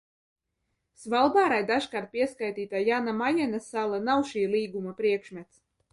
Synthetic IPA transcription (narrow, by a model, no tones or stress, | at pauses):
svalˠbaːɾajd̪aʒkaːɾt̪̚pʲiɛskajt̪iːt̪ajanamajɛnasælˠanawʃiːlˠiːɡumapɾiɛkʃmʲɛt̪s